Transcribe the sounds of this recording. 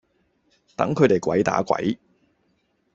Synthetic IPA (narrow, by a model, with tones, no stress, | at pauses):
t̪ɐ̰˨˥ŋkʰɵ˨˧ɥt̪e˨jkʷɐ˨˥jt̪a̰ː˨˥kʷɐ̰˨˥j